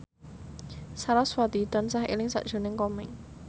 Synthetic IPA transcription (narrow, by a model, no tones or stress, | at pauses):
saɾaswat̪it̪ansahḛlɪŋsa̰ʔd̥ʒ̥o̤nɪŋkɔmɪŋ